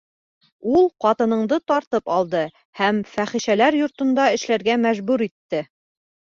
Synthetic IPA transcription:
ulˠqɑt̪ɤ̆nɤ̆ɴd̪ɤt̪ɑɾt̪ɤpɑlˠd̪ɤ | hæmfæχiʃælæɾjŏɾt̪ŏnd̪ɑɘ̆ʃlæɾɡæmæʒbʉɾit̪ːɘ

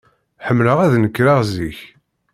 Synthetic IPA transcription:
ħəmːləʁæðnəkːɾaʁziç

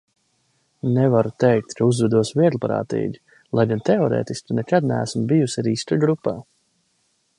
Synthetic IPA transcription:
nɛvaɾut̪ɛjk̚t̪kʰauzvɛd̪uɔsvʲiɛd̪lˠpaɾa̰ːt̪ḭːɡʲi | lˠajɡant̪ɛɔɾɛ̰ːt̪ist̪unɛkad̪næ̰ːsmbijusʲaɾiːst̪aɡɾupːaː

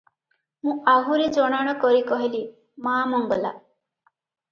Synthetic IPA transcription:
mũaɦuɾed͡ʒɔɽ̃aɽ̃ɔkɔɾikɔɦili | maːmɔŋɡɔla̰

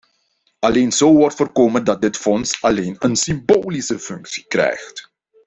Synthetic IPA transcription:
ɑleːnz̥oːʋɔrtfoːrkoːməndɑt̚dɪtfɔnsɑleːnənsimboːlisəfɵŋksi̥krɛ̰jxt

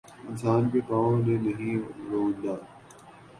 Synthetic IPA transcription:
ɪnsaːnkepaːõnẽnɐɦĩɾoːũnd̪aː

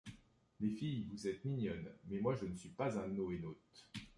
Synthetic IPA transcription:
lefijvuzɛt̪miɲɔnmɛmwaʒənəsɥipazɛ̃noenot̪

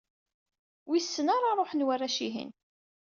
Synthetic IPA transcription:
wisːənaɾˤaɾˤoħnwarːæʃiɦḭn

